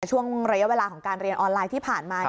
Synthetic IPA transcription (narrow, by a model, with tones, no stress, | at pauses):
t͡ɕʰu˥˩əŋɾa˧ja˦˥we˧laː˧kʰɔː˩˦ŋkaː˧nɾi˧ənʔɔː˧nlaː˧jt̪ʰiː˥˩pʰaː˨˩nmaː˧